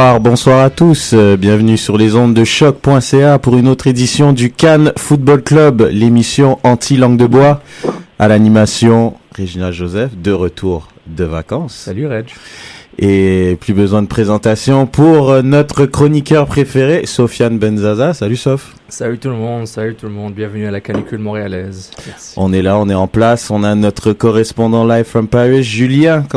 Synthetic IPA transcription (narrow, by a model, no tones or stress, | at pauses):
aʁbɔ̃swaʁat̪usbjɛ̃vnysyʁlezɔ̃d̪ːəʃɔk̚pwɛ̃seapuʁynot̪χed̪isjɔ̃d̪ykanfut̪̚bɔlklœblemisjɔ̃ʔɑ̃t̪ʰilɑ̃ɡd̪əbwaalanimasjɔ̃ʁeʒinalʒozɛfd̪əʁət̪ʰuʁ | d̪əvakɑ̃salyʁɛ | eplybəzwɛ̃d̪əpχezɑ̃t̪asjɔ̃pʰuʁnɔt̪χəkχɔnikʲœʁpχefeʁesɔfjanbɛnzazasalysɔf | salyt̪ulmɔ̃d̪salyt̪ulmɔ̃d̪bjɛ̃vənyalakanikʲylmɔ̃ʁealɛzɔ̃nɛlaɔ̃nɛɑ̃plasɔ̃nanɔt̪χəkɔʁɛspɔ̃d̪ɑ̃lajvfɔmpaʁisʒyljɛ̃k